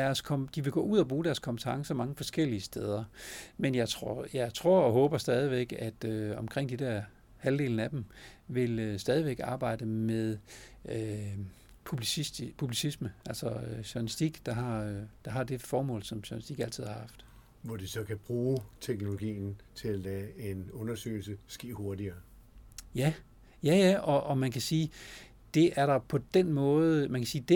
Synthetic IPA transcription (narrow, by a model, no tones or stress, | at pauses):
æɐskʰɒmd̥iʋe̝ɡ̥ɔ̰̽ːuð̞̰ˠɐb̥ʁuːɾ̥æɐskʰɒ̽mb̥t͡sʰɑ̈ŋsɒmɑ̈ŋəfɒ̽sɡ̥el̰iəsd̥eð̞ˠɐmenjɑ̈ɪt͡sʰʁojɑ̈ɪt͡sʰʁo̝ɐ̰ɒ̽ɦɔ̽ːb̥ɐsd̥ɛːð̞ˠiʋeɡ̥æd̥øɒ̽mkʰʁeŋ̰d̥id̥æɐ̰ | hæld̥e̝̰ːln̩æd̥emʋe̝løsd̥ɛːð̞ˠiʋeɡ̥ɑ̈ːb̥ɑ̈ɪ̰d̥əmeðˠø | pʰub̥lispʰub̥lisisməælsɒøɕoɐnisd̥iɡ̥d̥ɑ̈ɦɑ̈d̥ɑ̈ɦɑ̈d̥e̝fɒːmɔ̰ːlsɒ̽mɕoɐnisd̥iɡ̥æl̰t͡sʰið̰ˠhɑ̈ɑɦhɑfd̥ | ʋɒd̥esɒ̽kʰæb̥ʁuːt͡sʰeɡ̥no̝lo̝ɡ̥ḭːn̩t͡sʰe̝lælɛːe̝nɔ̽nɐsø̰ːɪl̩səsɡ̥e̝̰ːho̝ɐdiɐː | jæ | jæjæɒ̽ʔɒ̽mænkʰæsiː | d̥e̝ʔæɐɾɑ̈pʰɒ̽d̥enmɔ̽ːð̩ˠmænkʰæsiːd̥e